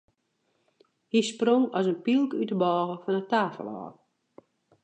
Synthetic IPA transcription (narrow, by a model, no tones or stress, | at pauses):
hisproŋɔsənpilˠkytəbɔːɣəfɔnətaːfə̰lˠɔ̰ː